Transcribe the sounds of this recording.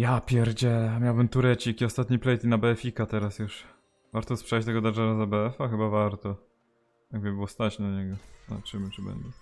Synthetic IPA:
japʲjɛɾd͡ʑɛmʲjawbɘmt̪uɾɛt͡ɕikʲiɔst̪at̪ɲiplɛjt̪inabɛɛfʲikat̪ɛɾasjuʂ | vaɾt̪ɔspʂɛjt͡ɕt̪ɛɡɔd̪aʐɛɾazabɛɛfaxɘbavaɾt̪ɔ | jaɡbɨbɘwɔst̪at͡ɕnaɲɛɡɔa̰t͡ʂɘmɘt͡ʂɨbɛ̰ɲd͡ʑɛ

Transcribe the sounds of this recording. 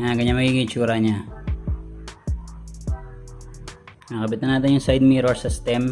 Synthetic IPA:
aɡɐɲamɐɡiːkɪ̃ɪt͡ʃuːɾɐɲa | ŋakɐbɪt̪ɐnaːt̪ɪnjʊŋsajd̪̚miːɾosɪst̪ɛm

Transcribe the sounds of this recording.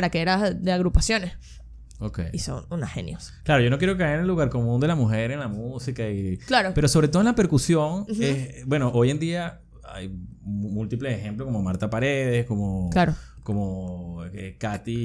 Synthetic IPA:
aɾakeeɾad̪eaɣɾupasjo̞nes | okḛjiso̰nunahḛnjo̰sḁklaɾo̞ʝo̞no̞k̬je̞ɾok̬aeɾnelːuɣaɾko̞mũnd̪e̞lamuxe̞ɾenlamusikaiklaɾope̞ɾoso̞β̞ɾet̪olape̞ɾkusjo̞ŋesbwe̞no̞ʔo̞je̞nd̪ia | a̰jmult̪iple̞sexe̞mploskomomaɾt̪apaɾe̞ð̞e̞sko̞mo̞klaɾoko̞moekat̪i

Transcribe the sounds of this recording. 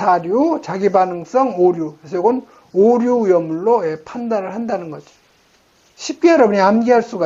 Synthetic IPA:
aɾjut͡ɕaɡibanɯŋs͈ʌŋoɾjuesʰʌjoɡon | oɾjuujʌmːuɭːoepʰandaɾɯɭhandanɯnɡʌd͡ʑo̥ | ɕʰip̚k͈e̞jʌɾʌbuɲiamɡiɦaɭs͈uɡa

